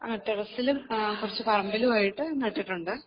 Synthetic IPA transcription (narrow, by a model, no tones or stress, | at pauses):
aːʈːerɐsilumkurɐt͡ɕːɨpɐrɐmbɐluʋaːjiʈːɨnɐʈːiʈːuɳɖɨ